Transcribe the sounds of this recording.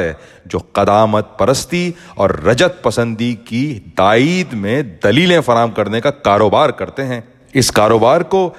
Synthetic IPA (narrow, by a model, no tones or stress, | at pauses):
ɦɛ | d͡ʒo̰ːqɐd̪aːmət̪̚pɐɾəst̪iɔ̰ːɾːɐd͡ʒət̪̚pɐsə̃nd̪ikid̪aːiːd̪mẽd̪ɐliːlẽfɐɾaːmkɐɾnekakaːɾoːbaːɾkɐɾt̪eɦɛ̃ː | ɪskaːɾoːbaːɾko